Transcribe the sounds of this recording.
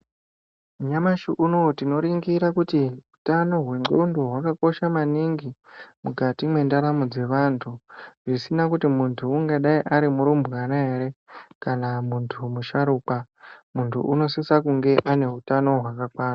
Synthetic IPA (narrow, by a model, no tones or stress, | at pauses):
uɲamaʃiʔunotino̞ɾiŋɡiɾakutiutano̞ɦwe̞ŋ͡ǃondo̞ɦwakako̞ʃamaniŋɡimuɡʱatimwe̞ndaɾamud͡ze̞ʋantʰuʐisinakutimuntʰuːŋɡaɗaiʔaɾimuɾumbɣanaeɾe̞kanamuntʰumuʃaɾuːk͡pamuntʰṵʔuno̞sisakuŋɡe̞ʔane̞ɦutano̞ɦwakakwaːra